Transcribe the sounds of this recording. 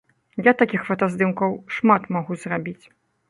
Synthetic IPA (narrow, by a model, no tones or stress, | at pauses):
jat̪akʲixfɐt̪azd̪ɨmkɐwʂmat̪maɣuzrabʲit͡sʲ